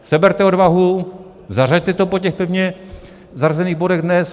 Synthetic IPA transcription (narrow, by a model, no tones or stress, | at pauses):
sɛbɛɾt̪ɛo̞dvaɦu | zar̝aɟ̚t̪ɛt̪opoc̬ɛxpɛvɲɛ | zarazɛniːɣbo̞dɛɣdnɛs